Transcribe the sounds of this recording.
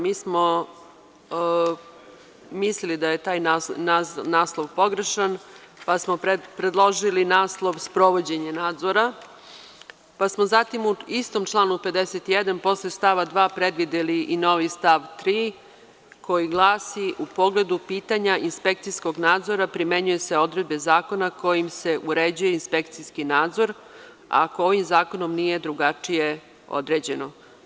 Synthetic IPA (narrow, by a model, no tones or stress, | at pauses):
miːsmo | mislilid̪aje̞t̪aːjnananaːslˠoʋpo̞ɡɾeʃan | pasmopɾe̞d̪lˠo̞ʒilinaːslˠo̞ʋspɾo̞ʋo̞d͡ʑe̞ɲenaːd̪zoɾa | pasmozat̪imuist̪o̞mt͡ʃlˠaːnupe̞d̪eset̪ijed̪anpo̞slest̪aʋad̪ʋaːpɾe̞d̪ʋid̪eliʔino̞ʋist̪aʋt̪ɾiː | ko̞jiɡlˠaːsiʔupo̞ɡle̞d̪upiːt̪aɲainspe̞k̚t̪sisko̞ɡnaːd̪zo̞ɾapɾimeɲuje̞se̞o̞d̪ɾe̞d̪be̞zaːko̞nako̞jimse̞ʔuɾed͡ʑuje̞inspe̞kt̪siskinaːd̪zo̞ɾ | a̰koo̞ʋimzaːko̞no̞mnije̞d̪ɾuɡat͡ʂije̞ | o̰d̪ɾe̞ːd͡ʑe̞no̞